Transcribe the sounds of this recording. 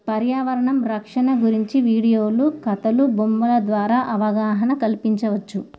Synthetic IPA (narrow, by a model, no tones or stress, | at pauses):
pɐɾjaːʋɐɾɐɳɐmɾɐkʂɐɳɐɡuɾiɲt͡ʃiʋiːɽijoːlukɐt̪ɐlubombɐlɐd̪ʋaːɾaːʔɐʋɐɡaːɦɐɳɐkɐlpiɲt͡ʃɐʋɐt͡ʃːu